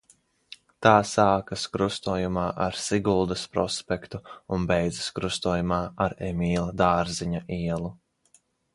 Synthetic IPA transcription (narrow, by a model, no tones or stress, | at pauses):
t̪aːsaːkaskɾust̪uɔjumaːʔaɾsiɡulˠd̪ɐspɾɔ̰spɛkt̪uunbɛjd̪zɐ̥skɾust̪uɔjumaːaɾḛmiːlˠɐd̪aːɾziɲaʔiɛlˠu